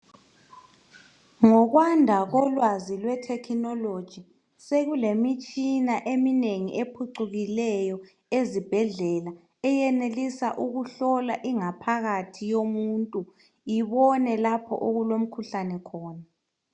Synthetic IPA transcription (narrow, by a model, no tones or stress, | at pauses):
ŋɔɣwandʱaɣɔlwazilwɛtʰɛkʰinɔlod̥ʒ̥ʱi | seɣulemit͡ʃʼinaʔemineŋiʔepʰuǀuɣilɛjɔ | ezib̥ʱɛɮɛla | ɛjɛnelisaʔuɣuɬɔlaʔiŋapʰaɣatʰijomuntʼu | jiβɔnɛlapʰɔ̰ʔoɣulom̩kʰuɬanɛkʰɔːna